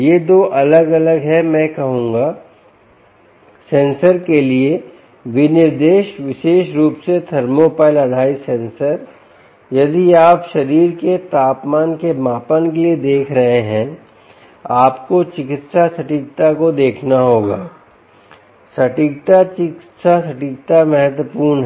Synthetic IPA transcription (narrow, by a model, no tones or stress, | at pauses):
jed̪oːʔɐləɡɐləɡɦɛmɛ̃ːkɐɦũːŋɡaː | sẽːnsəɾkelie | ʋɪnɪɾd̪eːʃʋɪʃeːʃɾuːpset̪ʰɐɾmoːpaːɪlɐɽʱaːisẽːnsəɾ | jɐd̪iaːpʃɐɾiːɾket̪aːpmaːnkemaːpaːnkelied̪eːkʰɾɐɦeɦɛ̃ | aːpkot͡ʃɪkɪt̪sasɐʈik̚t̪akod̪eːkʰnaɦoːɡaː | sɐʈik̚t̪at͡ʃɪkɪt̪sasɐʈɪk̚t̪amɛɦət̪wəpuːɾnɦ